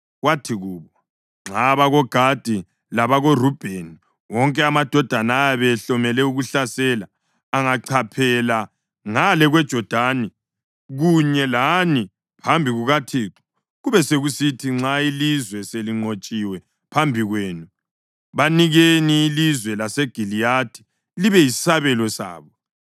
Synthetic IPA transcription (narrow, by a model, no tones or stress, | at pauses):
watʰiɣuːβɔ | ŋ͡ǁaβaɣɔɡ̥ʱad̥ʱi | laβaɣorub̥ʱeni | wɔŋkʼɛamad̥ʱɔd̥ʱanaːjaβɛɬɔmɛlɛuɣuɬasɛlaː | ŋaǀʰapʰɛla | ŋalɛɣwɛd̥ʒ̥ʱɔd̥ʱani | ɣuɲɛlani | pʰambʱiɣuɣatʰiːǁɔ̥ | ɣuβɛseɣusitʰiŋ͡ǁailizwɛseliŋ͡ǀot͡ʃʼiwɛ | pʰambʱiɣweːnu | βaniɣeniːlizwɛlaseɡ̥ʱilijatʰi̥ | liβɛi̥saβɛlɔsa̰ːβɔ